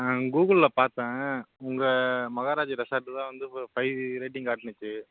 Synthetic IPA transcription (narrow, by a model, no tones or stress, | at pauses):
ɡuːɣɐllɐpaːɾt̪ãːʊŋɡɐmɐɣaːɾaːd͡ʒɯɾɛsɐːɾʈːɯt̪ãːʋɐnd̪ɯfɐɪɾɐɪʈːɪŋkaːʈːɪnɯt͡ʃːɯ